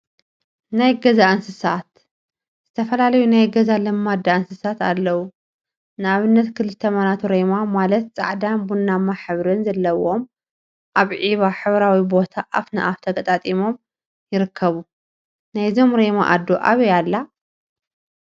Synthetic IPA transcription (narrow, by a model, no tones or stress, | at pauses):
najɡɐzaʔɨnsɨsat̪ | z̥ɨt̪ʰɐfɐlalɐjunajɡɐzalɨmːad̪ːaɨnsɨsat̪a̰lːɐwu | nɨaβɨnːɐt̪kʰɨlɨt̪ʰːɐmɐnat̪ʰuɾemamalɐt̪t͡sʼa̰ʕd̪anbunːamaħɨβɾɨnzɐlːɐwo̞m | ʔaβʕiβaħɨβɾawibo̞t̪ʰaʔafna̰ʔaft̪ʰɐkʼɐt̪ʼat̪ʼimo̞m | jɪɾɨkʰːɐβu | najzo̞mɾema̰ʔad̪ːoʔa̰βɐjalːa